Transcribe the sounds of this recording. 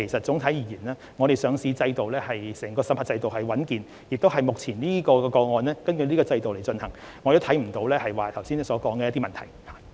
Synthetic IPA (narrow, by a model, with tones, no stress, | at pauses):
e˨˩jsɐ˨t̚t͡sʊ˨˥ŋt̪ʰɐ˨˥jiː˨˧˩jiː˨˩nlɛː˥ | ŋɔ˨˧ɾe˨jsœː˨˧ŋsiː˨˧t͡sɐ˧jt̪o˨wlɛː˥hɐ˨jsɛː˨˩ŋkɔː˧sɐ˨˥pha˨˧˩t͡sɐ˧jt̪o˨whɐ˨jwɐ˨˥nkiː˨n | jɪ˨k̚t̪o˥wɦɐ˨jmʊ˨k̚t͡sʰiː˨˩nniː˥kɔː˧kɛ˧kɔː˧ŋɔː˨nlɛː˥kɐ˥nkʰɵ˧niː˥kɔː˧t͡sɐ˧jt̪o˨wle˨˩jt͡sɵ˧nhɐ˨˩ŋ | ŋɔː˨˧jo˧˥wt̪ʰɐ˨˥jm̩˨˩t̪o˨˥wlɛː˥hɐ˨jwaː˨t̪ʰɐ˨˩wsiː˥n˥sɔː˨˥kɔː˨˥ŋkɛː˧ɐ˥t̪i˥mɐ˨nt̪ʰɐ˨˩jha˨